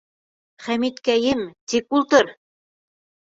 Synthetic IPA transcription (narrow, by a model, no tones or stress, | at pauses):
χæmit̪kæjɘmt̪ikulˠt̪ɤɾ